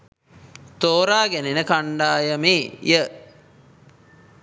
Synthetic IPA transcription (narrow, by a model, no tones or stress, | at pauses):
t̪oːɾaːɡenenəkaɳɖaːjəmeːjə